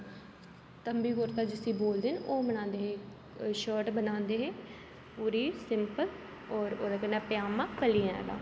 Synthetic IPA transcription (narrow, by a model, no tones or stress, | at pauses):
t̪əmbiːkoɾt̪aːd͡ʒɪsiːboːld̪eːnoːmənãːnd̪eːɦẽː | ʃəːʈbənãːnd̪eːɦeː | puːɾiːsɪmpəl | ɔːɾoːd̪aːkəndaːpɪjaːmãːkəliːɛ̰̃ːla̰ː